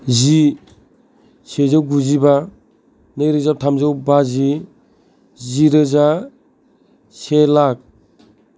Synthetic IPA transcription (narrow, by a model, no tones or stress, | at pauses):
zi | sezawɡuziba | nɯjɾɯzap̚tʰamzawbazi | ziɾɯza | selak̚